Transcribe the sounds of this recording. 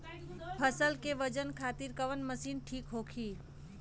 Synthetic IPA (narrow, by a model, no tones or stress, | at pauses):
pʰəsəlkeʋəd͡ʒənkʰaːt̪iːɾkəʋənməsiːnʈʰiːkɦoːkʰiː